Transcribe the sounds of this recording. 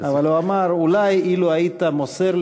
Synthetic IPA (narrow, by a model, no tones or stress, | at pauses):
avaloamaɾulajiloait̪amoseɾl